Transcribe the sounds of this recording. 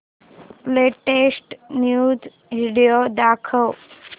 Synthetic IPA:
leʈesʈnjud͡z | ʋiɽijod̪akʰəʋ

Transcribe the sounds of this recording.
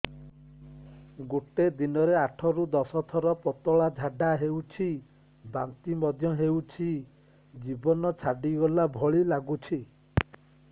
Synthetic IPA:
ɡoʈed̪inɔɾeaʈʰɔɾud̪ɔsɔt̪ʰɔɾɔpɔt̪ɔɭad͡ʒʱaɖaɦewt͡ʃʰi | ba̰nt̪imɔd̪ʱjɔɦewt͡ʃʰi | d͡ʒibɔnɔt͡ʃʰaɖiɡɔlabʱɔɭilaɡut͡ʃʰi

